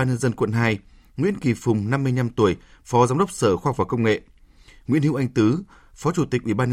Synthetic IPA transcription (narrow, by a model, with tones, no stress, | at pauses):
aː˧nɲə˧nzə˧nkwə̰˧˨nɦaː˧j | ŋwḭ˧˥ənki˨˩fʊ˨˩ŋ͡mna˧mːɨ˧əjɲa˧mt̪u˧˩əjfɔ˨˦zaː˨˦mɗə˦˥k͡p̚səː˧˩xaː˧˨k͡p̚vaː˨˩kə˧wŋ͡mŋḛ˧˨ʔ | ŋwḭ˧˥ənhi˧˥wʔa˧ŋt̪ɨ˨˦ | fɔ˨˦t͡ɕu˧˩t̪ï˨˩k̚ʔi˧˩ɓaː˧nɲə˧